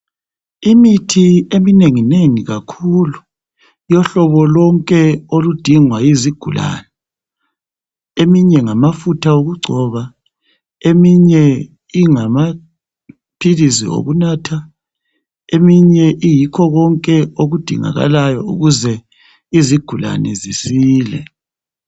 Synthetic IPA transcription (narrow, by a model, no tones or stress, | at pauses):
imitʰiemineŋineŋiɣakʰulu | jɔɬɔβɔlɔŋkʼɛolud̥ʱiŋwajiziɡ̥ʱula̰nɛ | emiɲɛŋamafutʰaoɣuɡ͡ǀʱɔβa | emiɲɛ | iŋama | pʰilizḭo̰ɣunaːtʰa | emiɲɛʔijikʰɔɣɔŋkʼɛoɣud̥ʱḭŋa̰ɣa̰lajɔṵɣuzɛ | iziɡ̥ʱula̰nɛzisiːlɛ̰